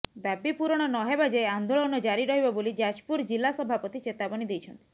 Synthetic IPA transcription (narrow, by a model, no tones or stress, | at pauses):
babipuɾɔɽ̃ɔnɔɦebad͡ʒeand̪oɭɔnɔd͡ʒaɾiɾɔɦibɔbolid͡ʒad͡ʒpuɾd͡ʒilasɔbʱapɔt̪it͡ʃet̪abɔnid̪ejt͡ʃʰɔnt̪i̥